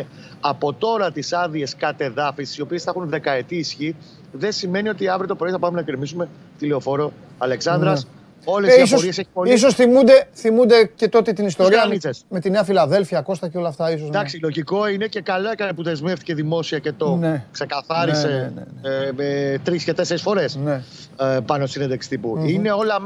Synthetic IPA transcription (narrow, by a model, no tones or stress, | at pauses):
e | ɐpo̞t̪o̞ɾɐt̪isɐðie̞skɐt̪e̞ðɐfist̪isio̞piesθɐxunðe̞kɐe̞t̪iːsçi | ðe̞nsime̞nio̞t̪iɐvɾiot̪o̞pɾo̞iθɐpɐvumenɐekɾimisume̞ | t̪ileo̞fo̞ɾo̞ | ɐle̞ksɐnd̪ɾɐs | o̞lesiis̬ooɾieseçi̥po̞lis̬osθimund̪e̞θimund̪e̞ce̞t̪o̞t̪et̪inist̪o̞ɾiɐmesme̞t̪ine̞ɐfilɐðe̞lfiɐko̞st̪ɐceo̞lɐft̪ɐis̬ozd̪ɐksilo̞ʝiko̞ine̞ce̞kɐloekɐnɐpuðe̞zme̞ft̪i̥ceðimo̞siɐce̞t̪o̞nekse̞kɐθɐɾisse̞̰ | t̪ɾiscet̪eseɾisfo̞ɾe̞sne | pɐnot̪usined̪eksi̥t̪ipuine̞o̞lɐm